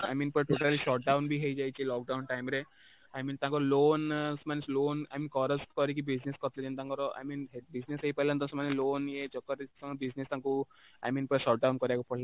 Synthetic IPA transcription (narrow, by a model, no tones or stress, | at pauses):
a̰jmiːnpəɾʈoʈaliʃɔʈ̚ɖawnbʱiɦejd͡ʒajt͡ɕilɔk̚ɖaunʈajmɾe | ajmiːnt̪ãkɔɾɔlonsmanesloːna̰jmiːnkɔɾəskɔɾik̬ibid͡ʑneskɔt̪led͡ʑent̪ãkɔɾɔa̰jmiːnɦebid͡ʑnesɦeipəɦlant̪ɔ̃sɔmaneloːnjet͡ʃɔkːəɾsɔ̃ŋbid͡ʑnest̪ãku | a̰jmiːnpəɾʃɔʈ̚ɖawnkɔɾjakɔpʰɔɭla